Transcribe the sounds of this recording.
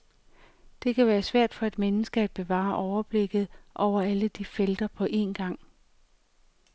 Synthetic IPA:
d̥e̝kʰæʋæːɐsʋæɐ̰d̥fɒ̽e̝d̥menəsɡ̥əæd̥̚b̥e̝ʋɑ̰̈ːʔɒʊɐb̥le̝ɡ̥ð̩ˠʔɒʊ̰ɐæləd̥ifeld̥ɐpʰɒ̽ʔe̝nɡ̥ɑ̈ŋ̰

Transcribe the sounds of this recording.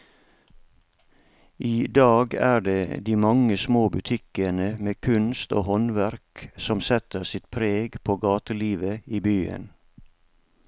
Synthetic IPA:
ʔiːd̪ɑːɡæːɖeːd̪iːmɑŋəsmoːbʉt̪ʰɪkənəmeːkʰʉnst̪o̰ːhɔnʋæɾksɔmsɛt̪əsɪt̪pʰɾeːɡpʰoːɡɑːt̪əliːʋəiːbyːə̰n

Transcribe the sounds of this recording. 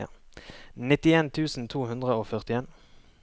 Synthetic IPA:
ə̰ | nɪt̪ɪeːnt̪ʰʉːsn̩t̪ʰuːhʉnd̪ʁəoːfœʁt̪ɪeːn

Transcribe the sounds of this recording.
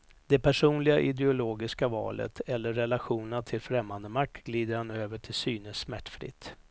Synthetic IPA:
d̪̥ɛpʰæʂuːnlɪɡaʔɪd̪ɛʊloːɡɪskavɑ̰ːlə̰t̪ʰɛlːəɾːɛlaɧuːnənat̪ʰɪlfɾɛmːand̪əmak̚t̪ɡliːd̪əɾhanøːvəʈʰɪlsyːnəsːmæʈːfɾɪ̰t̪ː

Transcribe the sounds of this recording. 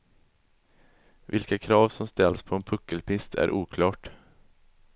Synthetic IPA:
vɪlkakʰɾɑːvsɔmst̪ɛlspʰɔɛnpʰɵkːəlpɪst̪ʰæ̰ɾʔuːkʰlɑːʈ

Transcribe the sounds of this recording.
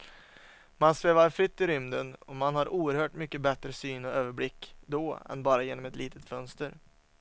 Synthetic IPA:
mansveːvaɾfɾɪt̪ːɪɾʏmd̪ənɔmanɦaɾʔuːəɾhœːʈmʏkːəbɛt̪ɾəsyːnɔøːvəɾblɪkːd̪ɔɛ̰nbɑːɾajeːnɔmɛt̪liːt̪ʰət̪fœnst̪əɾ

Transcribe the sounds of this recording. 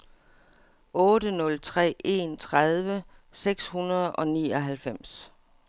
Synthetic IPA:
ʔɔ̽ːɾənɔ̽lt͡sʰʁɛ̰ːe̝nt͡sʰʁaðˠʋəseɡ̥shunɐð̞̩ˠɒ̽nḭːɒ̽ɦælfem̰s

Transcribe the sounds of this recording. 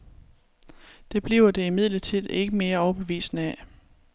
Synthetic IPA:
d̥e̝b̥liːʊɐd̥e̝imið̞̰ˠlət͡sʰið̰ˠe̝ɡ̥əme̝ːɐɒʊɐb̥eʋḭːsnəæ

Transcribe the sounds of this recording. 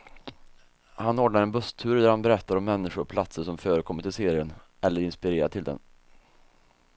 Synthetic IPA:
hanoːɖɳaɾɛnbɵst̪ʰʉ̟ːɾd̪æɾhanbɛɾɛt̪ːaɾɔmːɛnːɪɧʊɾɔpʰlat̪səʂɔmfœːɾəkʰɔmːəʈʰɪlseːɾɪən | ʔɛlːəɾɪnspɪɾeːɾat̪ʰɪld̪ɛ̰n

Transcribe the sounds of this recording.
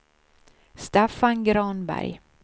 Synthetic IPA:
st̪ɛfanɡɾɑːnbæ̰j

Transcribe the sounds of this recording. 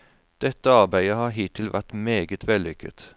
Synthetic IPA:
d̪̥ɛt̪əɑʁbæɪəhɑːɦiːt̪ʰɪlʋʔæʁt̪meːɡət̪ʰʋɛlʏkə̰t̪

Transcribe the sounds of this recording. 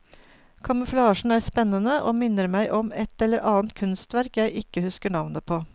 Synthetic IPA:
kʰɑməflɑːʃɳ̩æːɾspɛnːənəʔo̰ːmɪnəɾmæɪʔɔmɛt̪ɛlːəɾʔɑːnt̪kʰʉnst̪ʋæɾkjæɪʔɪkəhʉskəɳɑʋnəpʰoː

